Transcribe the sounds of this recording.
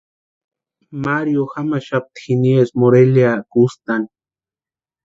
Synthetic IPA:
maɾjoxamaʃap̚t̪i̥xiniesmoɾeljakust̪an

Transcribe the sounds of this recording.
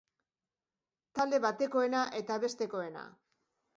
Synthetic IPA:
t̪ald̪e̞βat̪e̞ko̞e̞naʔe̞t̪aβe̞st̪e̞ko̞e̞na̰

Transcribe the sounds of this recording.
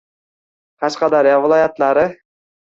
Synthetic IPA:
qʰɑʃqɑd̪ɑɾjɑvɪlˠɑjat̪lˠaɾɪ

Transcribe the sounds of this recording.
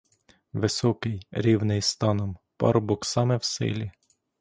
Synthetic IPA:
ʋɪsɔkɪjɾʲiwnɪjst̪ɑnɔmpɑ̰ɾbɔksɑmɛwsɪ̰lʲi

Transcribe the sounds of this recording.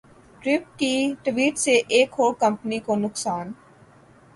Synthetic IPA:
ʈɾɪp̚kiʈʋiːʈseʔeːkɦoːɽkɐ̃mpənikonʊksaːn

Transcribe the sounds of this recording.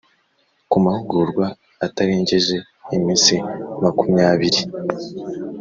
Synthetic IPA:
kumahuɡuɾɡwaː | taɾiːɲɟeʒe̞ː | miːnsimakumɲaːβiɾi

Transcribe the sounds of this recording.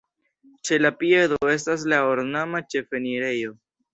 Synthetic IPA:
t͡ʃe̞lapije̞doe̞s̬tas̬laoɾnamat͡ʃe̞fe̞niɾe̞jo̞

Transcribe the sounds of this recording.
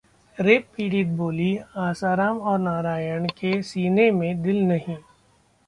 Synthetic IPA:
ɾeːppiːɽit̪̚boːliaːsaːɾaːmɔːɾnaːɾaːjəɳ̃kesiːnemẽd̪ɪlnɐɦĩ

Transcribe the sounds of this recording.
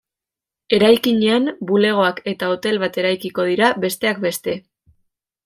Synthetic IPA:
e̞ɾajkiɲeanbule̞ɣ̞o̞ake̞t̪aot̪e̞lβat̪e̞ɾajkiko̞ð̞iɾaβe̞st̪e̞ak̚be̞st̪e̞

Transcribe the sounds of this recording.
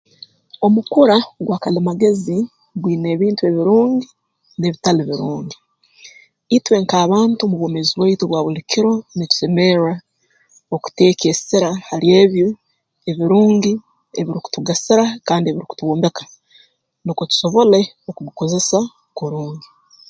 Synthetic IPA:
o̞mukuɾaɡwaːkalimaɡe̞zi | ɡwiːne̞ːβiːntue̞βiɾuːŋɡi | ne̞βitaliβiɾuːŋɡi | itwe̞ːŋkaːβaːntumuβo̞ːmeziβwaituβwaːβulikiɾo̞nitu̥se̞me̞ɾa | oku̥te̞ːkesiɾahalje̞ːβjo | e̞βiɾuːŋɡi | eβiɾiku̥tuɡasiɾakaːndie̞βiɾiku̥tuβoːmbe̞kḁ | nikotu̥so̞βo̞le̞ | okuɡukoze̞sa | koɾuːŋɡi

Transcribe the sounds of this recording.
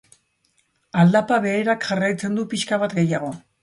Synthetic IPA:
ald̪apaβe̞ːɾakʝarajt͡se̞nd̪upiʃkaβ̞at̪ɡe̞jaɣ̞o̞

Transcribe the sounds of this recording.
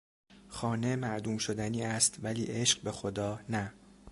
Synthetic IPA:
xɒːne̞mæʔd̪uːmʃo̞d̪æniːæst̪væliːʔe̞ʃɢbe̞xo̞d̪ɒːnæ

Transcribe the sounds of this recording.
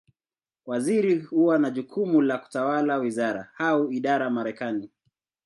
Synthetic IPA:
waziɾihuwanaʄukʰumulaku̥tawalawizaɾa̰hauiɗaɾamaɾɛkani

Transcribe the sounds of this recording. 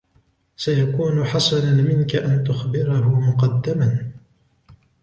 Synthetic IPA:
sajakuːnʊħɑsˤɑnanmɪnkaʔant̪ʊxbɪɾahʊmʊqɑd̪ːaman

